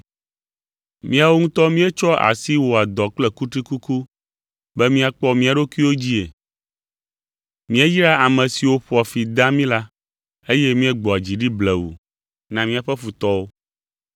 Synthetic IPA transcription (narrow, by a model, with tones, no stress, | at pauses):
mĩ˦a˨wo˦ŋũ˦t̪ɔ˦mĩ˦ɛ˦t͡ʃɔ˦ʔa̰˨si˦wo˨a˨d̪ɔ˨k͡plɛ˨ku˦t̪ɾi˦ku˦ku˦ | bɛ˦mĩ˦a˨k͡pɔ˦mĩ˦a˨ɖo˦kui˦wo˦d͡ʑi˦e˨ | mĩ˦ɛ˦ji˦ɾa˦a˨mɛ̃˨si˨wo˦ɸɔ˨˦a˨fi˨d̪ã˦mĩ˦la˦ | e˦je˦mĩ˦ɛ˦ɡ͡bɔ˨a˨d͡ʑi˨ɖi˦blɛ˨wṵ˨ | nã˨mĩ˦a˨ɸɛ˦ɸu˨t̪ɔ˦wo˦